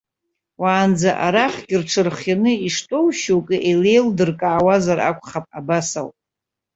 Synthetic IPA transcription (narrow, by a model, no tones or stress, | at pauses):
waːnd͡zaʔaɾaχɡʲɪrʈ͡ʂʰɨrχjanɨiʂtʼowʃowkʼiʔele̞jldɨrkʼaːwazara̰kʷʰʼχapʼa̰basa̰wpʼ